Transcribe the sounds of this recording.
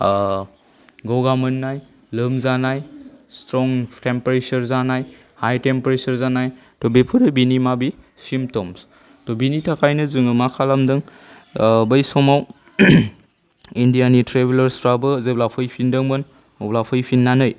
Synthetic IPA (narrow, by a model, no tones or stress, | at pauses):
ɡowɡamɯnːaj | lɯmzanajstɾɔŋtempɾesɐɾzanaj | hajtempɾesɐɾzanaj | tɔbepʰuɾɯbinimabi | simp̚tɔms | tɔbinitʰakʰajnɯzɯŋɯmakʰalamdɯŋ | bɐjsɔmaw | indijanitɾebilɐɾsɾabɯzeblapʰɯjpʰindɯŋbɯn | oblapʰɯjpʰinːanɯj